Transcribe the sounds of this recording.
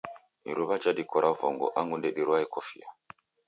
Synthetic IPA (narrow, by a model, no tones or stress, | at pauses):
ḭɾuβat͡ʃadikɔɾʔavɔ̰ŋɡɔ̰ʔaŋɡundɛɗiɾuwaikɔfia